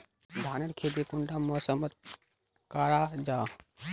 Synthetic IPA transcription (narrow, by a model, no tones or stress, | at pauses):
d̪ʱaːnɐnkʰeːd̪ikuɳɖamɔːsəmət̪̚ | kaːɾaːd͡ʒaː